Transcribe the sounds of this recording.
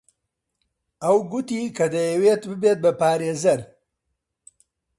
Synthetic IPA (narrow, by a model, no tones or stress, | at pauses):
ɐwɡʊt̪iːkɐd̪ɐjɐweːt̪bɨbeːt̪̚bɐpaːɾeːzɐɾ